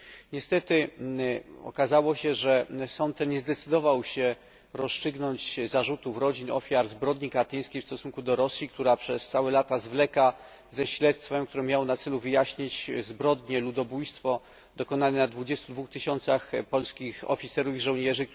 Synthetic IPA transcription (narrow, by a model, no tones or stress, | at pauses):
ɲɛst̪ɛt̪ɘ | ɔ̰kazawɔɕɛʐɛsɔnt̪ːɛɲɛzd̪ɛt̪sɘd̪ɔvawɕɛ | ɾɔst͡ʂɘɡnɔɲt͡ɕzaʐut̪ufɾɔd͡ʑinɔ̰fʲjaɾzbɾɔd̪ɲikat̪ɘj̃skʲejfst̪ɔsuŋkud̪ɔɾɔsʲjik̚t̪uɾapʂɛst̪sawɛlat̪azvlɛka | zɛɕlɛt̪st̪fɛmk̚t̪uɾɛmjawɔnat̪sɛluvɘjaɕɲit͡ɕzbɾɔd̪ɲɛlud̪ɔbujst̪fɔ | d̪̥ɔkɔnanɛnad̪vud͡ʑɛst̪ud̪vuxt̪ɘɕɔnt̪saxpɔlskʲixɔ̰fʲit̪sɛɾuviʐɔ̃wɲɛʐɘ